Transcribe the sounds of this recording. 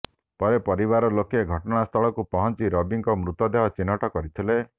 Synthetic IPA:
pɔɾepɔɾibaɾɔlokeɡʱɔʈɔɽ̃ast̪ʰɔɭɔkupɔɦɔnt͡ʃiɾɔbiŋkɔmɾut̪ɔd̪eɦɔt͡ʃinɔʈɔkɔɾit̪ʰile

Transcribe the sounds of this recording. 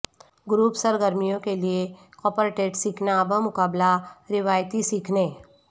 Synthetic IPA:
ɡɾuːpsəɾɡəɾmijõkelie | kɔːpəɾʈeːʈsiːkʰnaːbʱəmʊkaːblaɾɪʋaːjt̪isiːkʰneː

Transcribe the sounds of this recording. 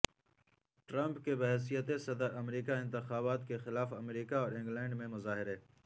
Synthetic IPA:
ʈɾɐ̃mpkebɐɦɛs̬ijət̪esɐd̪əɾɐmɾiːkaɪ̃nt̪ɪxaːβaːt̪kexɪlaːfɐmɾiːkaɔːɾɪ̃ŋɡlɛ̃ːɳɖmẽmʊzaːɦɪɾɦɛː

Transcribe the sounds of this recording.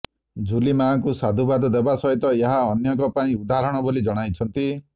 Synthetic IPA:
d͡ʒulimakusad̪ʱubad̪ɔd̪ebasɔɦit̪ɔeɦaɔnjɔkɔpaĩud̪aɾɔɽ̃ɔbolid͡ʒɔɽ̃ajt͡ʃʰɔnt̪i

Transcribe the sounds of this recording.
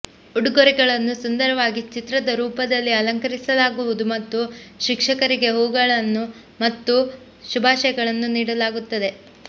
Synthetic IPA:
uɽɡoɾiɡɐɭɐnːusund̪ɐɾɐʋaːɡit͡ʃit̪ɾɐd̪ɐɾuːpɐd̪ɐlːiɐlɐŋkɐɾisɐlaːɡuʋud̪umɐt̪ːuʃikʂɐkɐɾiɡe̞ɦoːɡɐɭɐnːu | mɐt̪ːu | ʃubʱaːʃɐjɐɡɐɭɐnːuniːɽɐlaːɡut̪ːɐd̪e̞

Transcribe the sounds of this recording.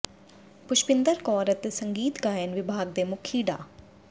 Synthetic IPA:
pʊʃpɪnd̪əɾkɔːɾət̪esəŋɡiːt̪ɡaːjənʋɪbʱaːɡ̚d̪eːmʊkʰiːɖa̰ː

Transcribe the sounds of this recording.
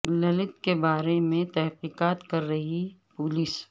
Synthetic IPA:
lɐlɪt̪kebaːɾemẽt̪ɛɦqiːqaːt̪kɐɾːɐɦipʊlis

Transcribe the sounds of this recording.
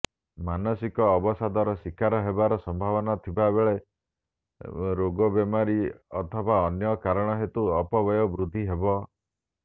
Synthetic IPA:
manɔsikɔːbɔsad̪aɾɔsikaɾɔɦebaɾɔsɔmbʱaβɔnat̪ʰibabeɭe | ɾoɡɔbemaɾiɔt̪ʰɔbaɔnjɔkaɾɔɽ̃ɔɦet̪uɔpɔbɔjɔbɾud̪ʱːiɦebɔ

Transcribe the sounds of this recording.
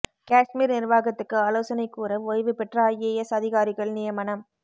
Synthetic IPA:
kaːʂmiːɾnɪɾʋaːɣɐt̪ːɯkːɯaːloːsɐnɐɪkːuːɾɐojʋɯpɛʈrɐɐjeːjɛsɐðɪɣaːɾɪɣɐɭnɪjɐmɐnɐm

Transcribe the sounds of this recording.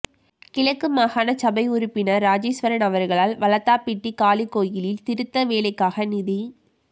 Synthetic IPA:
kɪɭɐkːɯmaːɣaːnɐt͡ʃɐbɐɪʊɾʊpːɪnɐɾaːd͡ʒiːsʋɐɾɐnɐʋɐɾɣɐɭaːlʋɐlɐt̪ːaːpɪʈːikaːlikːoːjɪlɪlt̪ɪɾɯt̪ːɐʋeːɭɐɪkːaːɣɐnɪði

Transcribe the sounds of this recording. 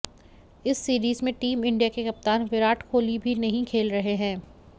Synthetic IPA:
ɪsːiːɾiːzmẽʈiːmɪ̃ɳɖijakekɐp̚t̪aːnʋɪɾaːʈkʰoːlibʱinɐɦĩkʰeːlɾɐɦeɦɛ̃ː

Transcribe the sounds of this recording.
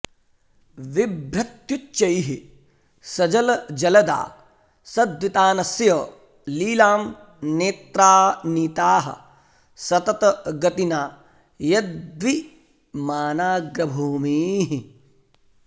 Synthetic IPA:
ʋibɾɐt̪jut͡ʃːt͡ʃɐjɦi | sɐd͡ʒɐlɐd͡ʒɐlɐd̪a̰ː | sɐd̪ʋit̪aːnɐsjɐ | liːlaːm | neːt̪ɾaːnit̪aːɦɐ̰̆ | sɐt̪ɐt̪ɐɡɐt̪inaː | jɐd̪ʋi | maːnaːɡɾɐbʱuːmiːɦi

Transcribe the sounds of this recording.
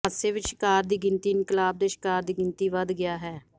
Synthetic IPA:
aːseːʋɪt͡ʃʃkaːɾd̪iːɡɪnt̪iːɪnkəlaːb̚d̪eːʃɪ̥kaːɾd̪iːɡɪnt̪iːʋəd̪ɡɪjaːɦɛː

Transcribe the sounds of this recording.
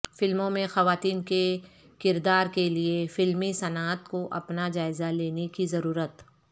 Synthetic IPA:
fɪlmõmẽxɐʋaːt̪iːnke | kɪɾd̪aːɾkeliefɪlmisɐnaːt̪koʔɐ̰pnad͡ʒaːɪzaleːnekizɐɾuːɾət̪

